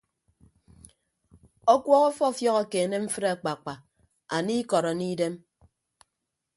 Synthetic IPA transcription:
ɔ˦kʷwɔ˦ɣɔ˦fɔ˦˨fjɔ˦ɣɔ˨ke˨ne˦m̩˦fɨ˦ɾa˨k͡pa˨k͡pa˨ | a˨ni˦kɔ˨ɾɔ˨ni˦de˦m

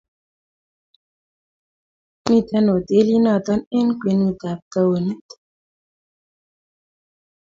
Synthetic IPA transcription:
mi˦˨t̪a˦no˨t̪e˦li˦na˨t̪ɔ˦ne˦nkwi˨nu˨t̪a˨p̚ta˧wo˨ni˦t̪

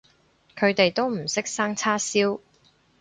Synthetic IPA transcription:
kʰɵ˨˧ɥt̪e˨jt̪o˥wm̩˨˩sɪ˥k̚saː˥ŋt͡sʰaː˥siː˥w

